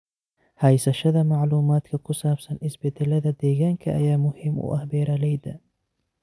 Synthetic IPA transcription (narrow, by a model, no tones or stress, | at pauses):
hɐjsɐʃɐðɐmɑʕluːmaːd̪kʰɐkʰʊsaːb̥sɐnɪsbɪd̪ɪlɐðɐd̪ɛːɣaːŋkʰɐʔɐ̰jaːmʊhimʊ̰ʔɐhbɛːɾɐlɛjd̪ɐ